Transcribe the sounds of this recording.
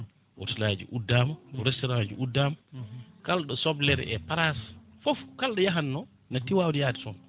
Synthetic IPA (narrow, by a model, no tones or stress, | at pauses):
wo̰tilad͡ʒḭʔudːamɾɛstɔɾãd͡ʒiudːamkalɗɔsɔblɛɾ̰ɛ̰paɾasfofkalɗɔjaɦanːɔ | natiwawdijadisɔm